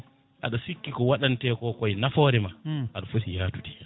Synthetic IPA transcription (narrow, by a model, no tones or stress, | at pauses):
ʔa̰ɗɔsikːikɔwaɗantɛːkɔːkɔjnafɔːɾɛmaʔaɗɔfosijaːtu̥dɛ